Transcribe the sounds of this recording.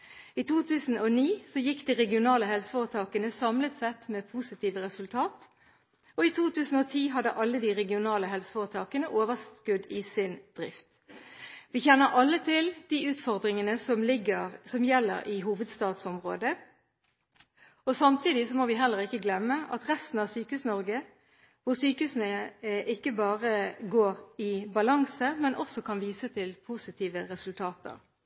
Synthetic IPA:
iːt̪ʰuːt̪ʰʉːsn̩oniːsɔjɪkːd̪iːʁɛɡɪʊnɑːləɦɛlsə̥fɔʁət̪ʰɑːkənəsɑmlət̪sɛt̪meːpʰusɪt̪ʰiːʋəʁɛsʉlt̪ʰɑːt̪ | ɔit̪ʰuːt̪ʰʉːsn̩oːt̪ʰiːɦɑd̪əʔɑlːəd̪iːʁɛɡɪʊnɑːləɦɛlsə̥fɔʁət̪ʰɑːkənəʔoːʋəskʉd̪ɪːsɪnd̪̥ʁɪft̪ | ʋɪçɛnːəʁʔɑlːət̪ʰɪld̪̥iːʉːt̪fɔʁd̪ʁɪŋənəsɔmlɪɡəsɔmjɛlːə̰ɾʔɪɦuːʋəd̪st̪ɑːd̪sɔmʁo̰ːd̪ə | ɔsɑmt̪ʰiːd̪ɪsɔmoʋɪɦɛlːəʁɪkːəɡlɛmːəɑt̪ʁɛst̪n̩ɑʋsyːkəhʉːsnɔʁɡə | ʋʊʁsyːkəhʉːsənəʔɪkːəbɑːʁəɡoːʁɪbɑlɑŋsəmɛnʔɔsɔkʰɑnʋiːsət̪ʰɪlpʰusɪt̪ʰiːʋəʁɛsʉlt̪ʰɑːt̪ʰə̰ʁ

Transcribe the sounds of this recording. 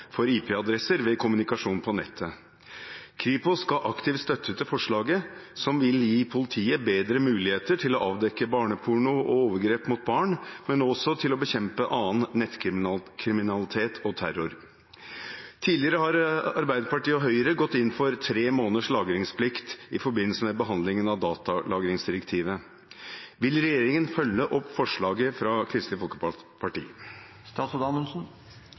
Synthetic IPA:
fɔɾiːpʰeɑd̪ɾɛsəɾʋɛkʰʊmʉnɪkɑʂuːnpʰɔnɛt̪ʰːə | kʰɾiːpʊskɑʔɑkt̪ʰɪft̪st̪œt̪ʰːət̪ʰɪfɔʂɭɑːɡəsɔmʋɪljiːpʰʊlɪt̪ʰiːəbeːd̪ɾəmʉːlɪheːt̪əʈʰɪlɔʔɑːʋd̪ɛkːəbɑːɳəpʰʊɳʊʔɔ̰oːʋəɾɡɾeːpmʊt̪̚bɑːɳmɛnɔsɔt̪ʰɪlɔbəçɛmpəʔɑːənːɛt̪kkʰɾɪmɪnɑlɪt̪ʰeːt̪ʰɔt̪ʰæɾʊɾ | t̪ʰiːlɪəɾəɦɑɾɑ̰ɾbæɪd̪əɾpɑʈiːɔɦœʏəɾəɡɔt̪ːɪnːfɔɾt̪ʰɾeːmoːnəʂlɑːɡɾɪŋspʰlɪkt̪ɪ̰fɔɾbɪnːəlsəmɛbəɦɑnd̪lɪŋənɑʋd̪ɑːt̪ɑlʔɑːɡɾɪŋsd̪ɪɾəkt̪ʰiːʋə | ʋɪlɾɛjeːɾɪŋənfœlːəʔɔpːfɔʂɭɑːɡəfɾɑkʰɾɪst̪ɪfɔlkəpʰɑʈḭːə | st̪ɑːsɔd̪ɑnəlsn̩

